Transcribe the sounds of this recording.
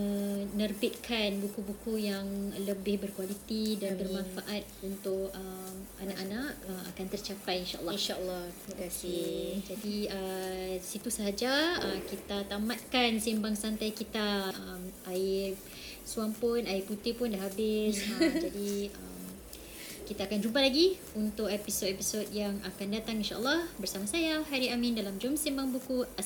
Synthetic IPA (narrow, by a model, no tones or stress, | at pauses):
ənərbɪt̪̚kʰanbukubukujaŋləbɪhbərkwalit̪idanbərmãnfaʔat̪̚unt̪ʊkəmanaʔanaʔəma̰kant̪ərt͡ʃapajinʃaʔə̰lːnʃalːɔt̪iməkasɪd͡ʒadiəsit̪usəɦad͡ʒaəmkit̪at̪amat̪̚kansimbaŋsant̪ajkit̪aʔəmʔaɪr | suaŋpʊnaɪput̪ipʊndaɦabɪsəd͡ʒadiəm | kit̪aːkand͡ʒubalaɡi | unt̪ʊkepisotɛpisot̚jaŋakandat̪aŋinʃa̰ə̰lːɔhbərsamasajaɦaɾiamĩndalamd͡ʒɔmsimbaŋbuku